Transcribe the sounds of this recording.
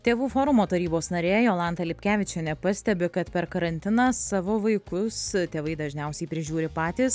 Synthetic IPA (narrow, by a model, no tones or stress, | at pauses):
t̪ʲeːʋuːfoːɾʊmoːt̪ɐɾʲiːboːsnɐɾʲeːjoːlˠɑnt̪ɐlʲɪpʲkʲæːʋʲɪt͡ʃʲɛnʲɛpɐsʲt̪ʲɛbʲɪkɐt̪pʲɛɾkɐɾɐnʲt̪ʲɪnɐːsɑːʋoːʋɐɪkʊst̪ʲeːʋɐɪd̪ɐʒʲnʲɛʊsʲɛɪpʲɾʲɪʒʲuːɾʲɪpɑːt̪ʲiːs